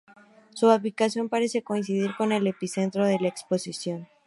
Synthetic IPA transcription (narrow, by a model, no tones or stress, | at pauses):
suaplikasjo̞mpaɾe̞se̞ko̞ins̬iðiɾko̞ne̞le̞pise̞nt̪ɾo̞ðe̞laekspo̞sisjo̞n